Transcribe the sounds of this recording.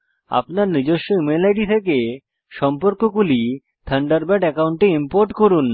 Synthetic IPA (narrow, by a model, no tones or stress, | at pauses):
a̰pnaɾnid͡ʑoʃːojumelajʈit̪ʰeke | ʃɔmpoɾkokuli | t̪ʰəɳɖaɾbɛʈɛkawɳʈeimpoɾʈkoɾun